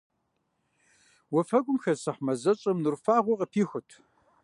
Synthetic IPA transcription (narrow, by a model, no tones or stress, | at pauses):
wɐfɐɡʷʼʊmxɐsɐħmɐzɐɕʼɐmnɨrfaːʁʷɔqʼəpʰiːxʷʊtʰ